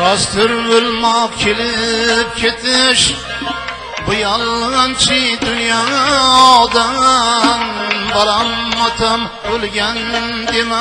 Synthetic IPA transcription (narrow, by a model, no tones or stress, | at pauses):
ɾɑst̪ʰɪɾbolmɒqkʲʰelɪp̚kʲʰet̪ʰɪʃ | bʊjalˠːant͡ʃʰid̪ʊnjaɒd̪a | nbalamːɑt̪ʰam | bolɡʲan | d̪ema